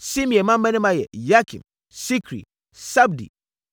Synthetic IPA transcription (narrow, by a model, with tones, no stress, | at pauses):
si˦m˨ɛ˨mã˦m̩˦bɛ˦nɛ˦ma˦jɛ̰˨ja˦kʰḭ˨m | si˦kʰɾḭ˨ | sa˦bdḭ˨